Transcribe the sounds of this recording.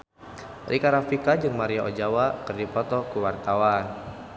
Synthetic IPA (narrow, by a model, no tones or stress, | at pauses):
rʔikaɾafikad͡ʒɨŋmaɾiaʔod͡ʒawakɨrdipɔt̪ɔkuwart̪awan